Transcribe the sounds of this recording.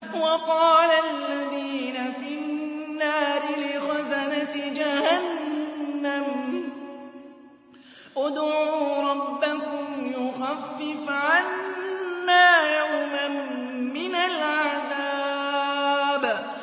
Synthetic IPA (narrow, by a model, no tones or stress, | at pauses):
wɑqɑːlalːaðiːnafinnːaːɾɪlɪxazanat̪ɪd͡ʒahanː | am | ʔʊd̪ʕuːɾˤɑbːakʊmjʊxafːɪfʕanː | aːjawmamː | ɪnalʕaða | b